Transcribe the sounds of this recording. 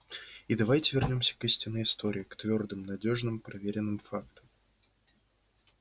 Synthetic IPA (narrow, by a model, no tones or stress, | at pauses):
id̪ɐvajtʲɪvʲɪrnʲo̞msʲə̥kisʲtʲɪnːɨjɪst̪o̞ɾʲɪɪkt̪vʲo̞rd̪ɨmnɐdʲo̞ʐnɨmpɾɐvʲeɾʲɪnːɨmfakt̪əm